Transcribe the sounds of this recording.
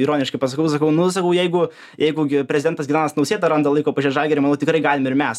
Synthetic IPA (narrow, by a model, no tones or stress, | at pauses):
iːɾoːnʲɪʃkɐɪpɐsɐkɐʊs̬ɐkɐʊnʊs̬ɐkɐʊjɛɪɡʊ | jɛɪɡʊɡʲɪpʲɾʲɛzʲɪd̪ʲɛnt̪ɐsʲɡʲɪnɑːnɐsnɐʊsʲeːt̪ɐɾɐnd̪ɐlˠɐɪkoːpɐʒʲiːʒɑlʲɡʲɛɾʲɪmɐnɐʊt̪ɪkɾɐɪɡɑːlʲɪmɪɾmʲɛs